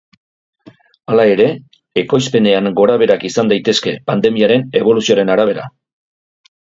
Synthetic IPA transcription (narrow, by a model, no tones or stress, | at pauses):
alae̞ɾe̞ː | ko̞jspe̞ne̞aŋɡo̞ɾaβe̞ɾakisand̪ajt̪e̞ske̞pand̪e̞miaɾe̞ne̞β̞o̞lusioɾe̞naɾaβ̞e̞ɾa̰